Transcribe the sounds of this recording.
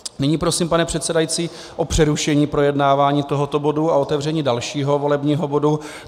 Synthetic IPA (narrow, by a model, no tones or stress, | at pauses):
nɪɲiːpɾo̞siːmpanɛpr̝̥ɛt̪sɛdajit͡siː | ʔo̞pr̥ɛɾuʃɛɲiːpɾo̞jɛdnaːvaːɲiːt̪o̞ɦo̞t̪obo̞duao̞t̪ɛvr̝ɛɲiːdalʃiːɦo̞vo̞lɛbɲiːɦo̞bo̞du